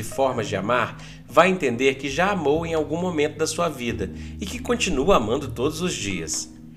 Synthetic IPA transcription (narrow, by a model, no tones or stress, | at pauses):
ɪfɔɾmɐd͡ʒɪa̰maɾ | vajẽnt̪ẽnd̪eɾkɪʒaamowẽj̃awɡũmomẽnt̪ʊd̪ɐsuɐvid̪ɐɪkɪkõnt͡ʃinuɐamɐ̃nd̪ʊt̪od̪ʊzʊzd͡ʒiɐ̰s